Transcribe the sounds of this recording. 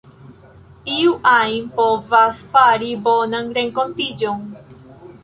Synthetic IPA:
iuʔajnpovasfaɾibonaŋɾeŋkont̪id͡ʒoŋ

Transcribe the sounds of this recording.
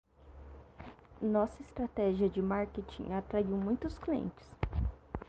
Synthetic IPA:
nɔsɐɪst̪ɾat̪ɛʒiɐd͡ʒɪmaɾket͡ʃḭ̃at̪ɾaiwmũj̃t̪ʊskliḛ̃nt͡ʃɪ̥s

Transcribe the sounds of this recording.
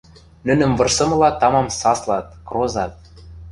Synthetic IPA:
nɘ̆nɘ̆mvɤ̆rsɤ̆mɤ̆lɑt̪ɑmɑmsɑslˠɑt̪̚krozɑt̪̚

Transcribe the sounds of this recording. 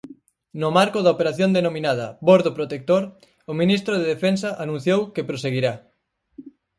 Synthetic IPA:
nʊmaɾkʊðɐopeɾaθjond̪enominaðɐboɾðopɾot̪ek̚t̪oɾ | ʊminist̪ɾʊðeðefensɐʔanũn̟θjowkepɾoseɣiɾa

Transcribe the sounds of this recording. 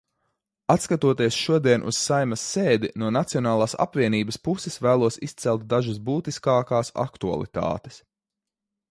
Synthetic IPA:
at̪skat̪uɔt̪iɛsʃuɔd̪iɛnʔṵssajmɐsːeːd̪inuɔnat̪siɔnaːlˠaːsa̰pviɛniːbɐspusɛsvæːlˠuɔsist̪sɛlˠt̪̚d̪aʒas̬buːt̪iskaːkaːsa̰kt̪ua̰lˠḭt̪a̰ːt̪e̥s

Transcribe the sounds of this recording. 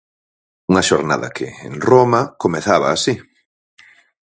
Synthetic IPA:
uŋɐʃoɾna̰ðɐ̰kʰɪ̰ḛŋromɐkomeθaβaːsi

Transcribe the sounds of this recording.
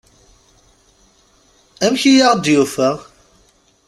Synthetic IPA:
æmçijaʁd̪jufəʁ

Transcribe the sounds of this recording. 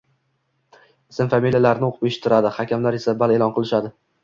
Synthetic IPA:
ɪsɪmfamiljalaɾnɪoqʰɨpeʃɪ̥t̪ʰːɪɾad̪ɪhakʲamlaɾe̞sabale̞lˠɒnqʰɨlˠɪʃad̪ɪ

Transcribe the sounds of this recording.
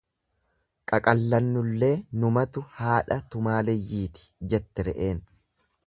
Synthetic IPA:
kʼɐkʼɐlːɐnːʊlːe̞ːnʊmɐt̪ʊhaːᶑɐt̪ʊmaːlɛjːiːt̪ɪ̥d͡ʒɛt̪ːɛɾɛʔe̞ːn

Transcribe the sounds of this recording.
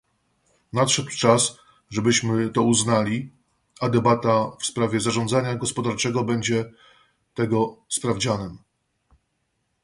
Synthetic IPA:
nat̪ʂɛd̪wt͡ʂas | ʐɛbɘɕmɘt̪ɔuznalʲi | ad̪ɛbat̪afspɾavʲɛzaʐɔnd̪zaɲaɡɔspɔd̪aɾt͡ʂɛɡɔbɛɲd͡ʑɛ | t̪ɛɡɔspɾavd͡ʑanɛm

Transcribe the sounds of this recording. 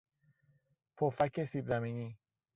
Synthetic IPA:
pʰofækʰesibzamini

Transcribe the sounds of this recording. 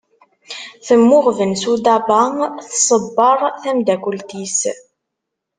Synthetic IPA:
θəmːʊʁvənsud̪æbɑθsˤəbːəɾˤθæmd̪ækʷult̪is

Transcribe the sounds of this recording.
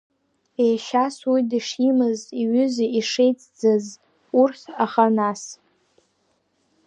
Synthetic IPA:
ejʃaswijdɨʂimɨziɥʏziʂejt͡sʼd͡zɨz | urtʰaχanas

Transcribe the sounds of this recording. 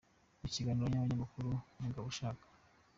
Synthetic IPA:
iciɡaːniɾoɲaβaɲamakuɾuniɡaβuʃaːkḁ

